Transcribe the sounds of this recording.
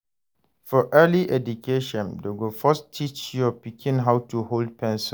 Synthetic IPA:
fɔʔɛliʔɛdukʰeʃɔ̃ndoɡofɔstʰit͡ʃjɔpikʰĩnɦawtuhold̚pɛ̃nsɔ̃

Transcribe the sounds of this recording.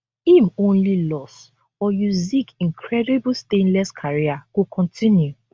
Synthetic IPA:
ĩmõnlilɔs | ɔjuzikĩŋkʰɹɛdiblstẽnlɛskʰaɹiakukʰɔ̃ntʰĩnju

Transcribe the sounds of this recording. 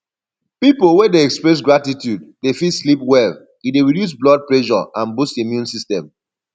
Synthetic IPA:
pipolwɛdeɛkspɹɛs̬ɡɹatitjuddefislipwɛl | ideɹidjus̬blɔd̚plɛʃɔ̰ãnbustimjũnsistɛ̃m

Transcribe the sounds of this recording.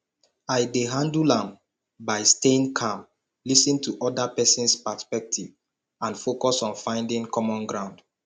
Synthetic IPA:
aɪdeɦãndulãm | baɪstẽnkʰãm | lisĩntʰuʔɔdapɛsĩnspaspɛk̚tʰiv | ãnfokɔsɔ̃nfãɪ̃ndĩŋkʰɔmɔ̃nɡɹãʊ̃nd̥

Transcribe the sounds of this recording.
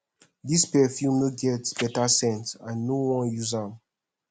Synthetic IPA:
dispɛfjumeɡɛtb̥ɛtasɛ̃ntãnːowɔ̃njuzãm

